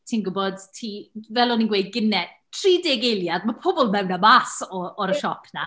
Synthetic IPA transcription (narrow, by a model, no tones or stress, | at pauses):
tʰiːnɡʊbɔd̥tʰiːvɛlˠɔninɡwejɡ̥ɪnɛ | tʰriːdeɡejlˠjadmapʰɔbɔlˠmɛwnamasɔɔɾəʃɔpʰna